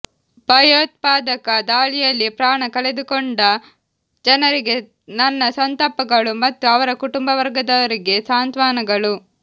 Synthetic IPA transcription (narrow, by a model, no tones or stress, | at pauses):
bʱɐjoːt̪̚paːd̪ɐkɐd̪aːɭijɐlːipɾaːɳɐkɐɭe̞d̪ukoɳɖɐ | d͡ʒɐnɐɾiɡe̞ | nɐnːɐsɐnt̪ɐpɐɡɐɭumɐt̪ːuɐʋɐɾɐkuʈumbɐʋɐɾɡɐd̪ɐʋɐɾiɡe̞saːnt̪ʋaːnɐɡɐɭu